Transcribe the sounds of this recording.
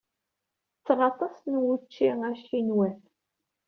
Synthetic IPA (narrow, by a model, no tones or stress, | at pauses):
t͡sːʁɑt̪ˤɑsnwut͡ʃːiæʃinwæn